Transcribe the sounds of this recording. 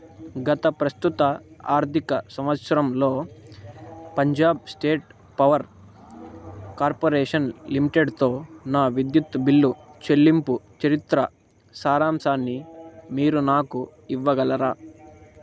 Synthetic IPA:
ɡɐt̪ɐpɾɐst̪ut̪ɐaːɾt̪ikɐsɐmʋɐt̪sɐɾɐmlo̞ː | pɐɲd͡ʒaːb̚sʈe̞ːʈ̚ | pɐʋɐɾ | kaːɾpoːɾɛːʂɐnlimiʈeɖt̪o̞ːnaːʋid̪jut̪ːɐbilːut͡ʃe̞lːimput͡ʃɐɾit̪ɾɐ | saːɾaːmsaːnːimiːɾunaːku | iʋːɐɡɐlɐɾaː

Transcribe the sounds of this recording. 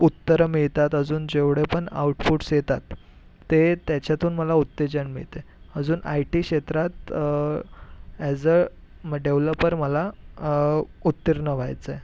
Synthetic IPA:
ut̪ːəɾəmiɭt̪at̪əd͡zuːnd͡ʑeʋɽepəɳa̰uʈfuʈsjet̪at̪ː | et̪jat͡ɕjat̪ʰuːnməlaut̪ːed͡ʑəɳmḭɭt̪e | əd͡zuːnʔa̰jʈikɕet̪ɾat̪ | ɛd͡zə | ɖeʋləpːəɾməla | ut̪ːiɾnəʋajt͡sə

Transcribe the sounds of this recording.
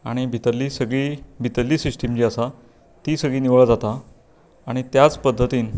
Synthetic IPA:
aɽ̃ibʱit̪əɾliːsəɡɭiːbʱit̪əɾliːsiʂʈimd͡ʑiːasa | t̪iːsəɡɭiːniʋɭad͡zat̪aː | ɽ̃it̪jat͡spəd̪ʱːət̪iːn

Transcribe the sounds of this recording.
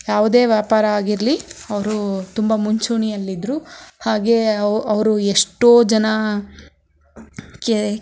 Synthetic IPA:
jaːʋud̪e̞ːʋjaːpaːɾɐaːɡiɾliɐʋɐɾut̪umbɐmuɲt͡ʃuːɳiɐlːid̪ɾuhaːɡe̞ʔɐʋɐɾueʂʈoːd͡ʒɐnɐ | ke

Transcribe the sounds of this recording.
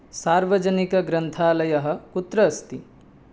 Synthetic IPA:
saːɾʋɐd͡ʒɐnikɐɡɾɐnt̪ʰaːlɐjɐɦɐ̆kut̪ɾɐːst̪i

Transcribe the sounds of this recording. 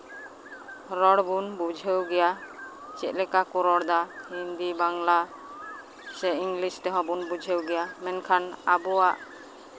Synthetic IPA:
ɾɔɽbunbud͡ʒʱəwɡɛja | t͡ʃɛt̪̚ˀlɛkakuɾɔɽd̪ahind̪ibaŋla | sɛiŋɡlisʈɛɦɔ̃bunbud͡ʒʱəwɡɛjamɛnkʰanabuwaʔ

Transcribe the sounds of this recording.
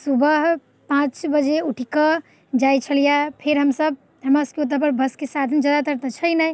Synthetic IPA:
subəɦ | pãt͡ʃbəd͡ʒeuʈʰikə | d͡ʒajt͡ʃʰəlijapʰeɾɦəmsəb̪̚ʱ | əmaskeot̪̬əpəɾbəskesad̪ʱənd͡ʒəd̪at̪əɾt̪ət͡ʃʰəjnəj

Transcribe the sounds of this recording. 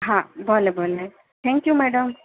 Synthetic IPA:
ɦãbʱolebʱole | t̪ʰɛ̃ŋkjumɛɖəm

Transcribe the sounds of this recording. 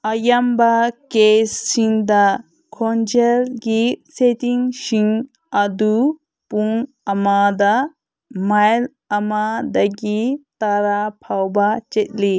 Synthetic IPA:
ɐjɐmbakesːiŋd̪a | kʰond͡ʒelɡiset̪iŋʃiŋ | ɐd̪u | puŋ | ɐmad̪a | majl | ɐmad̪aɡit̪aɾapʰawbat͡ʃet̪̚li

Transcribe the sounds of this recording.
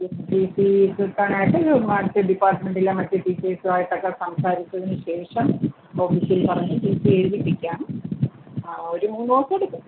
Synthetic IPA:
espiːsisɨk̪ːaːɳaːjiʈːɨmaːt̪ːɨɖipːaːrʈme̞ɳɖilemɐtːɨʈiːt͡ɕːesɨʋaːjiʈːɐkːesɐmsaːɾit͡ɕːɐðinɨɕe̞ːʂɐm | o̞ːfiːsilpɐrɐɲːupiːsieːðipːikʲːaːn | o̞ɾumuːnːɨosɐeɽukːu

